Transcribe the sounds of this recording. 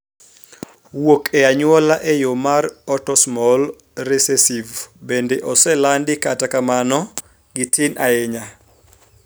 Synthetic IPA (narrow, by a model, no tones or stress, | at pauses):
wokʰɛaɲwɔlaʔɛjomarɔtɔsmɔl | resesivbendeʔɔsɛlandɪkatakamanɔ | ɡɪtʰɪnʔaɛɲa